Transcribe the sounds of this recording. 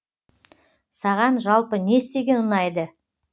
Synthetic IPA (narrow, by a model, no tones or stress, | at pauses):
sɑʁɑnʒɑlˠpəne̞st̪e̞ɡʲe̞nʊnɑjd̪ə